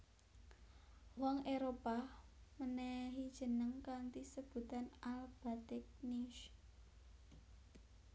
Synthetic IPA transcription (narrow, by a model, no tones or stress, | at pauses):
wɔŋeɾopaməneɦid̥ʒ̥ə̤nəŋkant̪isəb̥ṳt̪analb̥a̤t̪ɛk̚niʃ